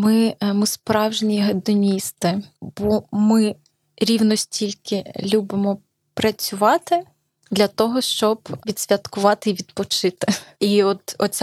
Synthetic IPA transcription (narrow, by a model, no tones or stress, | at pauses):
mɪmʊspɾɑwʒnʲiɦed̪ɔnʲist̪ɪbɔmɪ | ɾʲiwnɔsʲtʲilʲkɪlʲubɪmɔ | pɾɐt͡sʲʊʋɑt̪ɪ | d̪lʲɐt̪ɔɦɔʃt͡ʃɔbʋʲid̪̥sʲʋʲɐt̪kʊʋɑt̪ɪiʋʲid̪pɔt͡ʃɪt̪ɪiɔt̪ɔsʲ